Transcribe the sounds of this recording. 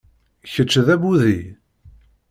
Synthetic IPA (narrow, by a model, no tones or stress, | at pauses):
çət͡ʃːðæbuðḭ